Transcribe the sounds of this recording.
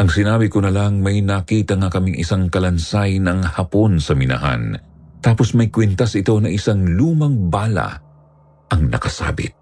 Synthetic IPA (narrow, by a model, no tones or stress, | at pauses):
ʔɐŋsɪnaːbɪkonɐlaŋmɐjnakiːt̪ɐŋakɐmiŋʔɪ̰saŋkɐlɐnsajnɐŋhɐpo̞nsɐmɪnɐ̰ha̰n | t̪aːpo̞smɐjkwɛnt̪ɐsɪt̪o̞nɐʔɪsaŋluːmɐŋbaːlɐ̰ | ʔɐŋnɐkɐsa̰ːbɪ̰t̪̚